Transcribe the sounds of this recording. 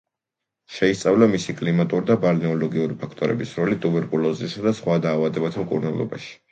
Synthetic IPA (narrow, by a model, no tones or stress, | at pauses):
ʃɛist̪sʼavlamisikʼlimat̪ʼuɾid̪abalinɔlɔɡiuɾipʰakʰt̪ʼɔɾɛ̰bisɾɔlit̪ʼubɛɾkʼulˠɔzisad̪asχwad̪aːvad̪ɛbat̪ʰmkʼṵɾnalˠɔ̰baʃi̥